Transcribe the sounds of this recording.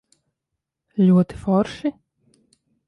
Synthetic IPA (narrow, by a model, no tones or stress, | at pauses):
lʲuɔt̪i̥fɔɾʃi